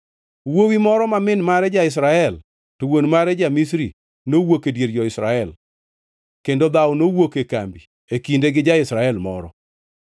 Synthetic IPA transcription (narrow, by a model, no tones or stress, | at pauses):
wowimɔɾɔmamɪnmaɾɛd͡ʒaɪs̬ɾaɛl | towonmaɾɛd͡ʒamisɾḭ | nowokedjeɾd͡ʒɔɪsɾaɛl | kendod̪awɔnowokekambi | ekindeɡɪd͡ʒaɪsɾaɛlmɔ̰ɾɔ